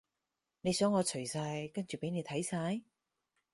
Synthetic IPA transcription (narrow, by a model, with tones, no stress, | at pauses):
ne˨˧jsœː˨˥ŋɔː˨˧t͡ʃʰɵ˨˩ɥsaː˧jkɐ˥nt͡ʃy˨˩pe˨˥jne˨˧jt̪ʰɐ˨˥jsaː˧j